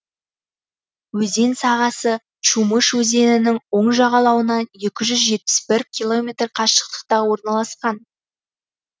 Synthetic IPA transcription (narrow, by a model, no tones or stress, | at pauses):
wɵze̞nsɑʁɑsə | t͡ʃuməʃwɵze̞nɪnɪŋwo̞ɴʒɑʁɑlˠɑwənɑnje̞kʲɪʒʏzʒe̞t̪̚pɪ̥sbɪɾkʲʰilˠo̞mʲet̪rqʰɑʃə̥q̚t̪ə̥q̚t̪ɑwo̞ɾnɑlˠɑsqɑn